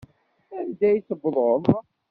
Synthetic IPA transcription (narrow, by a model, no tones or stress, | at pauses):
ænd̪æjθəbðˤolˤ